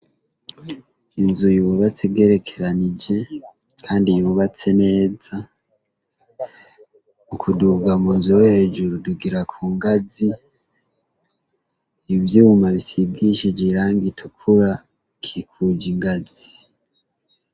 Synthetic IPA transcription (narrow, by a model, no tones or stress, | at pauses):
inzujuːβat͡sebɡeːɾe̞kʰe̞ɾanid͡ʒe̞ | kʰaːndijuːβat͡se̞ne̞ːza | ukʰuduɡamuːnzuehe̞ːd͡ʒuɾuduɡiɾakʰuːŋɡazi | βjiumaβisibɡiʃid͡ʒiɾaːŋɡitʰukʰuɾa | kʰikʰud͡ʒiŋɡazi